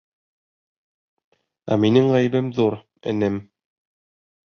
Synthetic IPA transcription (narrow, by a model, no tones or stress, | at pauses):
æ̰minɘŋʁæj̆bɘmðuɾ | ɘ̰̆nɘm